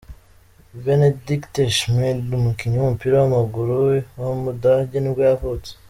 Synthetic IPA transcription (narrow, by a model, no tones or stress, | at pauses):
benedikteʃmedumukiɲaumupiɾawamaɡuɾuwamudaɟeniɡwejavut͡se̥